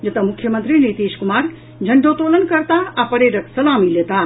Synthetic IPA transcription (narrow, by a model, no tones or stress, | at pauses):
d͡ʒɐt̪ɐmʊkʰːjɐmənt̪ɾineːt̪eːskumaːɾ | d͡ʒʱɐɳɖot̪oːlənkɐɾt̪aapɐɾeːɾɐk̪sɐlaːmilet̪aː